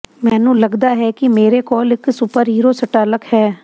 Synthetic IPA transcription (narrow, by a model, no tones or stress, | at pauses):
mɛ̃ːnũːləɡd̪aːɦɛːkimeːɾekɔːlɪksʊpəɾɦiːɾoːsəʈaːləkhɛː